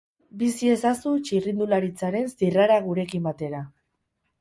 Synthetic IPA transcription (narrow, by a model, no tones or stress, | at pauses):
bisie̞sasut͡ʃirind̪ulaɾit͡saɾe̞nsiraɾaɣuɾe̞kimbat̪e̞ɾa